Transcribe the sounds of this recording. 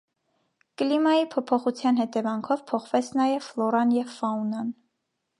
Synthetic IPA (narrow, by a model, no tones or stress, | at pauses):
kəlimɑjipʰɔpʰɔχut͡sʰjɑnhɛt̪ɛvɑŋkʰɔvpʰɔχvɛt͡sʰnɑjɛvflɔɾɑnjɛvfɑunɑn